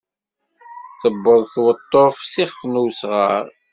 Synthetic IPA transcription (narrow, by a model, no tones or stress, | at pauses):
θəbːəðˤθwət̪ˤːofsiχəfnusʁə̰ɾ